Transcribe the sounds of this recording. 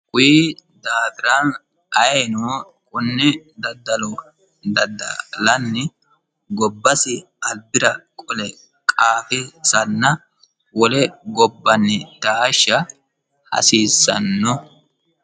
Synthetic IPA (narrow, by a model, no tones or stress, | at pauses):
kʼʊjid̪aːfɪɾan | ɐjɛjnoː | kʼʊnːɪd̪ɐd̪ːɐlɔ | d̪ɐd̪ɐ̰lɐnːɛ | ɡɔbːɐsɪ | ɐlbɪɾɐkʼɔlɛ | kʼaːfɪsɐnːɐ | wɔlɛɡɔbːɐnːɪd̪̥aːʃɐ | hɐ̰siːsːɐ̰nːɔ